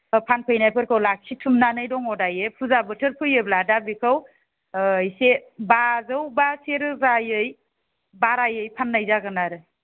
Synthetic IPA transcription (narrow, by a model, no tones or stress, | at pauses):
pʰanpʰɯjnajpʰɯɾkʰawlak̚sʰitʰumnanɯjdɔŋɔdajepʰuzabɯtʰɯɾpʰɯjɯbladabikʰaw | jsebazɯwbaseɾɯzajɯj | baɾajɯjpʰanːajzaɡɯnaɾɯ